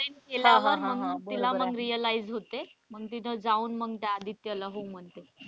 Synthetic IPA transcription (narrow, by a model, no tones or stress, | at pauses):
əenkeljaʋəɾm̤əɡunt̪ilaməɡɾijəlaid͡zɦot̪em̤əɡt̪inəd͡zauːnməɡt̪jaad̪ʱit̪jəlaɦom̤əɳt̪e